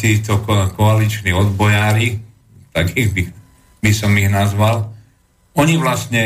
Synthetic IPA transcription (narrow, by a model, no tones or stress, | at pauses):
t̪iːt̪ɔkɔalit͡ʃniɔd̪bɔjaːɾi | t̪akiːɣbi | bisɔmiɣnazʋal | ɔɲiʋlasɲɛ